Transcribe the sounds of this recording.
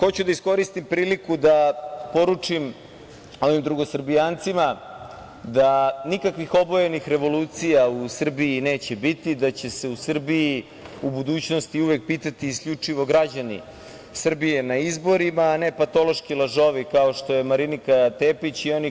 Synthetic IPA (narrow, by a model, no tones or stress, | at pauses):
xo̞t͡ɕud̪aisko̞ɾist̪impɾiːlikud̪apo̞ɾut͡ʂim | o̞ʋimd̪ɾuɡo̞sr̩bijaːnt̪sima | d̪anikakʋixo̞bojenixɾe̞ʋo̞luːt̪sijausr̩biːneːt͡ɕe̞bit̪id̪at͡ɕe̞se̞usr̩bii | ubud̪uːt͡ɕnost̪iuʋek̚piːt̪at̪iːskʎut͡ʂiʋo̞ɡɾad͡ʑanḭ | sr̩bije̞naizbo̞ɾimaːne̞pat̪o̞lˠo̞ʃkilaʒo̞ʋikao̞ʃt̪o̞jemaɾinikat̪eːpit͡ɕio̞ni